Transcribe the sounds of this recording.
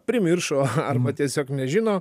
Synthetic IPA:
pʲɾʲɪmʲɪrʃoːɐrbɐt̪ʲiɛsʲoːknʲɛʒʲɪnoː

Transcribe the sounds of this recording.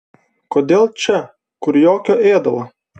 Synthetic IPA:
koːd̪ʲeːlˠt͡ʃʲɛ | kʊɾjoːkʲoeːd̪ɐlˠɐ

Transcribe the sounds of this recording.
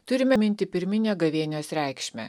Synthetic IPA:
t̪ʊɾʲɪmʲɛmʲɪnʲt̪ʲɪpʲɪɾʲmʲɪnʲoɡɐʋʲiɛnʲosɾʲæˑɪkʃʲmʲæ̰ː

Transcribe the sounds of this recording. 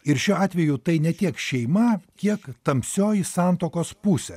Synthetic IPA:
ɪɾʃʲuːɑːt̪ʲʋʲɛjut̪ɐɪnʲɛt̪ʲiɛkʃʲɛɪmɐkʲiɛkt̪ɐmʲpʲsʲoːjɪsɑːnt̪oːkoːspuːsʲɛ

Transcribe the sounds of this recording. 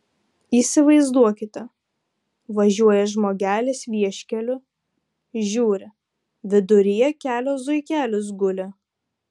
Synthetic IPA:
iːsʲɪʋɐɪzd̪uɔkʲɪt̪ʲɛ | ʋɐʒʲuɔjɛʒmoːɡʲæːlʲeːsʋʲiɛʃʲkʲɛlʲʊ | ʒʲuːɾʲɪ | ʋʲɪd̪ʊɾʲijɛkʲæːlʲoːzʊɪkʲæːlʲʊs̬ɡʊlʲɛ

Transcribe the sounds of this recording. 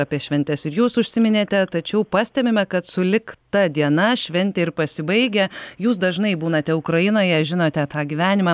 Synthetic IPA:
ɑːpʲiɛʃʲʋʲɛnʲt̪ʲɛsɪɾjuːsʊʃʲsʲɪmʲɪnʲeːt̪ʲɛt̪ɐt͡ʃʲɛʊpɑːsʲt̪ʲɛmʲɪmʲɛkɐt̪sʊlʲɪkt̪ɐd̪ʲiɛnɐʃʲʋʲɛnʲt̪ʲɛɪɾpɐsʲɪbɐɪɡʲɛjuːs̬d̪ɐʒnɐɪbuːnɐt̪ʲɛʊkɾɐɪnoːjɛʒʲɪnoːt̪ʲɛt̪ɑːɡʲiʋʲæːnʲɪmɑː

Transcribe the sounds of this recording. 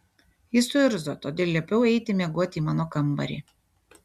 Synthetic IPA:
jɪsʊɪɾzot̪oːd̪ʲeːlʲiɛpʲɛʊɛɪt̪ʲɪmʲɛɡuɔt̪ʲɪiːmɑːnoːkɐmbɐ̰ɾʲḭː

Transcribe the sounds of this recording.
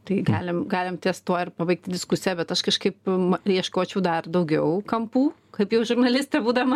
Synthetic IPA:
t̪ɐɪɡɑːlʲɪmɡɑːlʲɪmt̪ʲeːst̪oːɪrpɐbɐɪk̚t̪ʲd̪ʲɪskʊsʲɪɛbʲɛt̪ɐʃkɐʃkɐɪpmɐiɛʃkoːt͡ʃʲɛʊd̪ɐrd̪ɐʊɡʲɛʊkɐmpuː | kɐɪpjɛʊʒʊrnɐlʲɪsʲt̪ʲɛbuːd̪ɐmɐ

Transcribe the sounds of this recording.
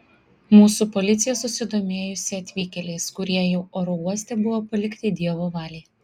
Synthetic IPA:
muːsuːpɔlʲɪt̪sʲɪjɛsʊsʲɪd̪oːmʲeːjʊsʲɪɐt̪ʲʋʲiːkʲɛlʲeɪskʊɾʲiɛjɛʊoːɾɔuɔsʲt̪ʲɛbʊʋoːpɐlʲɪkt̪ʲɪd̪ʲiɛʋoːʋɑːlʲeɪ

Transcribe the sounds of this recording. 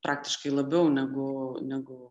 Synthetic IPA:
pɾʔɑːk̚t̪ʲɪ̥ʃkɐɪlˠɐbʲɛʊnʲɛɡʊnʲɛɡʊ

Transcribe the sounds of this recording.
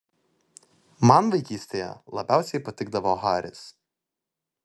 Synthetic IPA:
mɐnʋɐɪkʲiːsʲt̪ʲejɛ̰lˠɐ̰bʲæˑʊsʲɛɪpɐt̪ʲɪɡ̚d̪ɐʋoɣɑːɾʲɪ̰s

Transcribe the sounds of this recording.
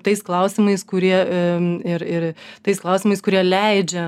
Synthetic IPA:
t̪ɐɪsklˠɐʊsʲɪmɐɪskʊɾʲiɛ | ɪɾɪɾt̪ɐɪsklˠɐʊsʲɪmɐɪskʊɾʲiɛlʲɛɪd͡ʒʲɛ

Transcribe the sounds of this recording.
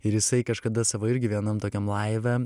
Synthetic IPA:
ɪɾjɪsɐɪkɐʃkɐd̪ɐsɑːʋoːɪɾʲɡʲɪʋʲiɛnɐmt̪oːkʲɛmlˠɐɪʋʲɛ

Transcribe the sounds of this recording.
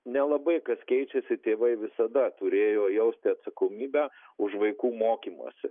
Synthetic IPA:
nʲɛlˠɐbɐɪkɐskʲɛɪt͡ʃʲɛsʲɪt̪ʲeːʋɐɪʋʲɪsɐd̪ɐt̪ʊɾʲeːjoːjɛʊsʲt̪ʲɪɐt̪sɐkoːmʲiːbʲæːʊʃʋɐɪkuːmoːkʲiːmṵːsʲɪ

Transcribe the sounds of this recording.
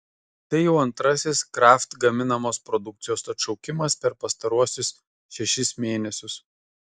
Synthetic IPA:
t̪ɐɪjɛʊɐnt̪ɾɐsʲɪskɾɑːˑft̪ɡɐmʲɪnɐmoːspɾɔd̪ʊk̚t̪sʲɪjoːsɐt̪ʃɒʊkʲɪmɐspʲɛɾpɐst̪ɐɾuɔsʲʊs | ʃʲɛʃʲɪsmʲeːnʲɛsʲʊs

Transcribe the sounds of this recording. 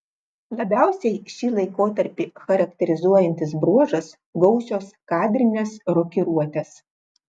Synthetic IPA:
lˠɐbʲæˑʊsʲɛɪʃʲiːlˠɐɪkoːt̪ɐɾʲpʲiːxɐɾɐkt̪ʲɛɾʲɪzuɔjɛnʲt̪ʲɪs̬bɾuɔʒɐs | ɡɔʊsʲoːskɑːd̪ʲɾʲɪnʲesɾɔkʲɪɾuɔt̪ʲeːs

